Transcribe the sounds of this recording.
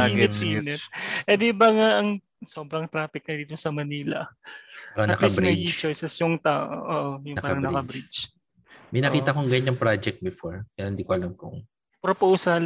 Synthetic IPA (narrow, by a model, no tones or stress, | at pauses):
iɛinɛt̪̚ʔɛd̪ɛbɐŋaʔɐŋ | so̞ːbɾɐŋt̪ɾaːfɪk̚nɐd̪iːt̪osɐmɐniːlɐ̰pɾɐŋɐkɐibɾɐʔit͡ʃojsɛsjʊŋt̪aːʔo̰ʔoːʔojʊŋpaːɐɾɐŋnɐkɐbɾit͡ʃ | mɐjnɐkiːt̪ɐkoŋɡɐɲɐŋpɾad͡ʒɛk̚t̪̚bɛfoɹkɐjalɐnd̪ikoʔɐlɐŋkoŋ | pɾopowsɐl